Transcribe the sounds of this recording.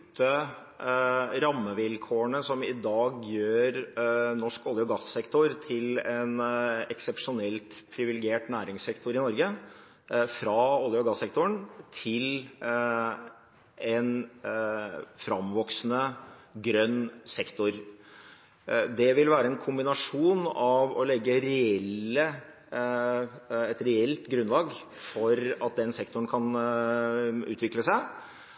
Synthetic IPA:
t̪ʰːə | ɾɑmːəʋɪlkʰoːəɳəsɔmɪd̪ɑːɡjøːɾnɔʂkɔlːɪɔɡɑsɛkt̪ʊɾt̪ʰɪlɛnɛksəpʂʊnɛlt̪pʰɾɪʋɪlɪɡeːʈnæːɾɪŋsɛkt̪ʊɾɪnɔɾɡə | fɾɑɔlːjɔɡɑsːɛk̚t̪ʊɳt̪ʰɪl | ɛn | fɾɑmʋɔksnəɡɾœnːsɛkt̪ʊɾ | d̪ɛʋɪlʋæːɾəɛnkʰʊmbɪnɑʂuːnɑʋɔlɛɡːəɾɛɛlːə | ɛt̪ɾɛɛlt̪ɡɾʉnlɑːɡ | fɔɾɑt̪̚d̪ɛnsɛkt̪ʊɳ̩kʰɑn | ʉ̰ːt̪ʰʋɪkləsæɪ

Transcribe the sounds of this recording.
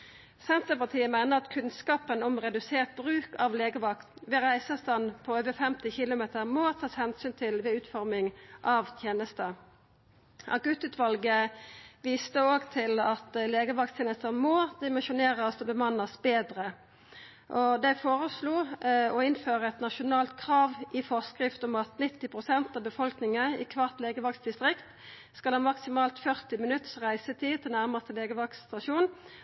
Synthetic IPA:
sɛnt̪əpɑt̪ʰiːəmæɪnəʁɑt̪kʰʉnskɑːpənɔmʁɛd̪ʉseːʁt̪̚bʁʉːkɑʋleːɡəʋɑkt̪ʋɛʁæɪsəst̪ɑnpʰɔøːʋəfɛmt̪ɪçɪlʊmeːt̪əʁmɔt̪ʰɑːshɛnsyːnt̪ʰɪlʋɛʉːt̪fɔɾmɪŋʔɑʋt̪ʰjeːnəst̪ə | ʔɑ̰ɡʉt̪ʉːt̪ʰʋɑlɡəʋiːst̪əoːɡt̪ʰɪlɑt̪leːɡəʋɑkt̪ʰjeːnəst̪əmɔd̪ɪmɪʃʊneːʁəsɔbəmɑnəsbeːd̪ʁə | ʔɔd̪æɪfoːʁəsluːɔɪnføːʁəɛt̪nɑʃʊnɑːlt̪kʰʁɑːʋʔɪfɔʁskʁɪft̪ɔmɑt̪nɪt̪ːɪpʰʁʊsɛnt̪ɑːbəfɔlknɪŋəɪ̰kʰʋɑʁt̪leːɡəʋɑksd̪ɪst̪ʁɪkt̪ | skɑlɑnmɑksɪmɑːlt̪fœʁt̪ɪmɪnʉt̪ə̥sʁæɪsət̪ʰiːt̪ʰɪlnæʁməst̪əleːɡəʋɑkst̪ɑʃuːn

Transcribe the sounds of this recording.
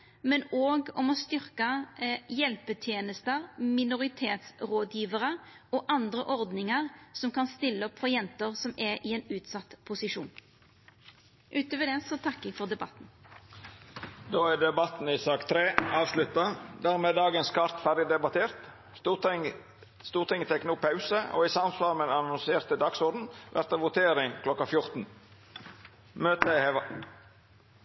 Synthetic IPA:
mɛnoːɡɔmɔst̪ʏɾkəjɛlpət̪ʰjeːnəst̪əɾmɪnʊʁɪt̪ʰeːt̪sɾoːd̪jiːʋəʁə | ɔʔɑnd̪ɾəʔɔʁd̪nɪŋəʁsɔmkʰɑnst̪ɪlːəɔpfɔjɛnt̪əʁsɔmɛɾʔɪɛːnʉːt̪sɑt̪ːpʰʊsɪʂṵːn | ʔʉːt̪əʋɛd̪ɛsɔt̪ʰɑkːɛɡfɔʁd̪ɛbɑt̪ːn̩ | d̪oːæd̪ɛbɑt̪n̩isɑːkt̪ʰɾeːɑːʋslʉt̪ɑd̪æːʁmeːd̪ɑːɡənskʰɑʁt̪fæʁd̪ɪd̪ɛbɑt̪ʰeːʁt̪ː | ŋ | st̪uːʁt̪ʰɪŋːət̪ʰɛknuːpʰɑʉsəo̰ːiːsɑmslɑlmɛd̪ɑnʊnseːʁt̪əd̪ɑɡsɔʁd̪n̩ʋʔæ̰ɾt̪ɑʋʊt̪ʰeːɾɪŋkʰlɔkɑfjʊʁt̪n̩ | møːt̪əeɑ

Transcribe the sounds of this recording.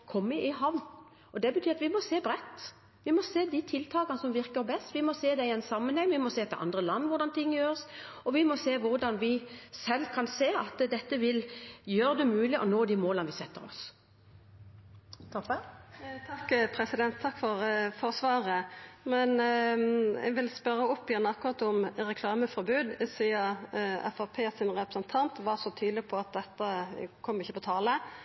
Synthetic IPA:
kʰɔmːəʔɪɦɑʋn | ɔd̪ɛbət̪ʰyːɾɑt̪ʋɪmɔseːbɾɛt̪ː | ʋɪmɔseːd̪it̪ʰɪlt̪ʰɑːkɑnəsɔmʋɪʁkəɾbɛst̪ʋɪmɔseːd̪ɛɪɛnsɑmːənhɛŋːʋɪmɔseːt̪ʰɛʔɑ̰nd̪ʁəlɑnːʋʊʁd̪ɑnt̪ʰɪŋːəjøːɾəs | ɔʋɪmɔseːʋʊʁd̪ɑnʋɪsɛlːkʰɑnseːɑt̪d̪ɛt̪ːəʋɪljøːɾəd̪ɛmʉːlɪʔɔnoːd̪iːmoːlənʋɪsɛt̪ːəɾɔ̰s | t̪ʰɔət̪ʰɑkːpʰɾɛsɪd̪ɛnt̪ʰːɑkːfɔɾfɔɾsʋɑːʁəmɛn | ɛ̰ɡʋɪlspœɾːəʊpːjænɑkːʊʁɑt̪ʊmɾɛkʰlɑːməfɔɾbʉːd̪ɪsiːɑɛ̰fɑpʰeːsɪnʁɛpɾəsənt̪ʰɑnt̪ʋɑʁsɔt̪ʰyːd̪lɪɡpʰɔɑt̪̚d̪ɛt̪ːəkʰɔmːɪçːəpɔt̪ʰɑːlə

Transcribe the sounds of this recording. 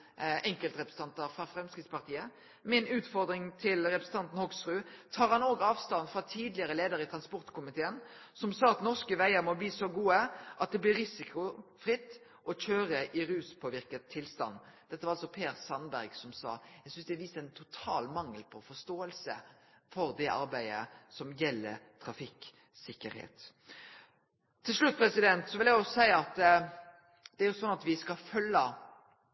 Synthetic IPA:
ʔɛŋkəlt̪ɾɛpɾsn̩ɑnt̪əɾfɾɑfɾɛmskɾɪt̪spɑʁt̪ʰiːə | mɛɛnʉːt̪fɔɾd̪ɾɪŋt̪ʰɪlɾɛpɾəsn̩t̪ɑnt̪n̩hɔɡsɾʉːt̪ʰɑːɾhɑnoːɡɑːʋst̪ɑnfɾɑt̪ʰiːd̪lɪəɾəleːd̪əɾɪt̪ʰɾɑnspɔʁt̪kʰʊmɪt̪ʰeːənsɔmsɑːɑt̪nɔskəʋæɪəɾmɔbliːsɔɡuːəʔɑt̪̚d̪ɛblɪɾɪsɪkʰʊfɾɪt̪ː | ʔɔc͡çøːɾəʔɪɾʉːspʰoːʋɪʁkət̪ʰːɪlst̪ɑ̰nːd̪̥ɛt̪ːəʋɑɾɑlsɔpʰeːɾsɑnbæɾɡsɔmsɑ̰ːæɪɡsʏnsd̪ɛːʋiːst̪æɪnt̪ʰʊt̪ʰɑːlmɑŋːəlpʰɔfɔst̪oːəlsə | fɔɾd̪ɛʔɑɾbæɪə̰sɔmjɛlːəɾt̪ʰɾɑfɪk | sɪkːəɾhḛːt̪ | t̪ʰːɪlʂɭʉt̪̚ːpʰɾɛsɪd̪ɛnt̪sɔʋɪljæjʊsæɪɑt̪ | d̪̥ɛæɾjʊsɔnːɑt̪ʋɪskɑfœlːə

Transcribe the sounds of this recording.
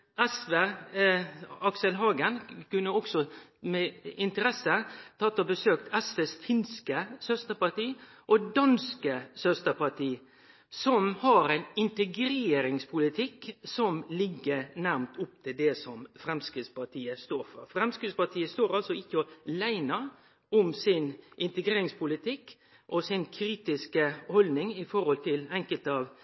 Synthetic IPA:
ɛsʋeː | ɑksəlɦɑːɡənkʉnːəɔksɔmɛɪnt̪əɾɛsət̪ʰɑt̪ːɔbəsøːk̚t̪ɛsʋeːsfɪnskəsœst̪əɾpɑt̪iː | ʔɔd̪ɑnskəsœst̪əɾpɑʈ̪ʰiː | sɔmhɑɾɛɪnɪnt̪əɡɾeːɾɪŋspʰʊlɪt̪ʰɪksɔmlɪɡːəɾnæɾmt̪ʊp̚t̪ʰɪld̪ɛsɔmfɾɛmskɾɪd̪spɑʈ̪ʰiːəst̪oːɾfə̰ɾfɾɛmskɾɪd̪spɑt̪ʰiːəst̪oːɾɑlsɔɪçːəɔlæɪnɑ | ʊmsɪnʔɪnt̪əɡɾeːɾɪŋspʰʊlɪt̪ʰɪkː | ʔɔsɪnkʰɾiːt̪ɪskəhɔlnɪŋɪfɔɾhɔlt̪ʰɪlɛŋkəlt̪ɑːʋ

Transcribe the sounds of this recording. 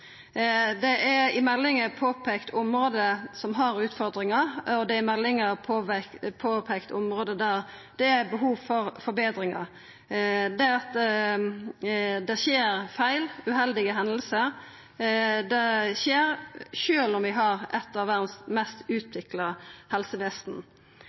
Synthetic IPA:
d̪ɛʔɛɪmɛlːɪŋəpʰoːpʰekt̪ʰʊmɾoːd̪əsɔmɦɑɾʉːt̪fɔɾd̪ɾɪŋɑɔd̪ɛɪmɛlːɪŋəpʰopʰoːpʰeːkt̪ʰʊ̰mɾoːd̪əd̪æːɾd̪̥ɛæɾbəɦuːʋfɔɾfɔɾbeːd̪ɾɪŋɑ̰ɾ | d̪ɛɑt̪ | d̪ɛçeːɾfæɪlʉɦɛld̪ɪɡəɦɛnd̪əl̩səɾ | d̪ɛçeːɾʃøːlɔmʋɪɦɑʁɛt̪ːɑʋːæɾd̪n̩smɛst̪ʉːt̪ʋɪklɑhɛlsəʋɪst̪n̩

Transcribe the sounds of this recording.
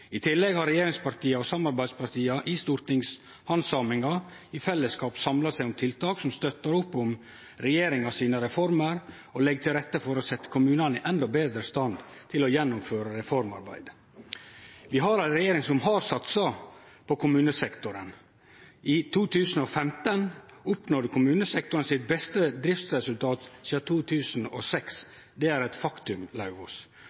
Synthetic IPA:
ɪt̪ʰɪlːɛɡhɑɾɛjeːɾɪŋspɑɾʈ̪iːɑɔsɑmɑɾbæɪd̪spʰɑɾt̪ʰiːɑʔɪst̪uːɾt̪ɪŋs | hɑnsɑmɪŋɑ | ɪfɛlːəskɑːpsɑmlɑsæɪʊmt̪ʰɪlt̪ʰɑːksɔmst̪œt̪ːəɾʊpːʊm | ɾɛjeːɾɪŋɑsiːnəɾɛfɔɾməɾ | ɔlɛɡ̚t̪ʰɪlɾɛt̪ːəfɔɾɔsɛt̪ːə̥kʰʊmʉːnɑnɪʔɛnd̪ɔbeːd̪ɾəst̪ɑnd̪ | t̪ʰɪlɔjɛnːʊmføːɾəɾɛfɔɾmɑ̰ɾbæ̰ɪd̪̥ | ʋɪɦɑɾæɪɾɛjeːɾɪŋsɔmɦɑɾsɑt̪sɑpʰɔkʰʊmʉːnəsɛkt̪ʊɾən | ʔɪt̪ʰuːt̪ʰʉːsn̩ɔfɛmt̪ən | ʊpnoːɾkʰʊmʉːnəsɛk̚t̪ʊɾənsɪt̪̚bɛst̪əd̪ɾɪft̪sɾɛsʉlt̪ʰɑːt̪siːɑt̪ʰuːt̪ʰʉːsn̩ɔ̰sɛks | d̪ɛæɾɛt̪fɑkt̪ʉmlɑʉɔs

